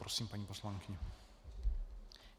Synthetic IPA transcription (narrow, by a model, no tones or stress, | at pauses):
ɾɔsimpaɲipɔslaŋkʲiɲɛ